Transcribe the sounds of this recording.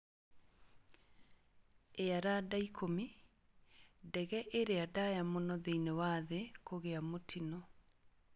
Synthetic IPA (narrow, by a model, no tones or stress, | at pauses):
eaɾadaikʰomi | dɛɣɛʔeɾeadajamonɔðeinewaðekoɣeamotʰinɔ